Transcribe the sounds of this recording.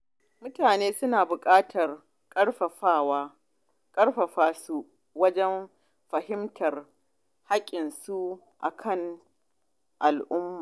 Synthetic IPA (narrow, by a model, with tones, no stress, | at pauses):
mʊ˦taː˨neː˦sʊ˦naː˨bʊ˨kʼaː˦tʰɐ˨r | kʼɐ˦ɽɸɐ˨ɸaː˦waː˦ | kʼɐ˦rɸɐ˨ɸaː˦su˦ | wɐ˦d͡ʒɛ˦m | ɸɐ˨ɦɪ˦mtɐ˨r | ha˦kʲʼɪ˨nsu˦ | ʔa̰˨kʰɐ˦ŋ | ʔa˨lʔʊ˦mːaː˨